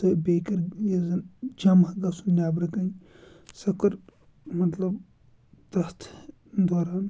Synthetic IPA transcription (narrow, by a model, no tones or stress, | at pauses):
sɐbeːkɐɾjɐzd͡ʒɐmɐɡɐsunnʲaːbɾɐkɐ | sɐkɐɾ | mɐt̪lɐb | t̪ɐht̪ʰ | d̪oːɾaːn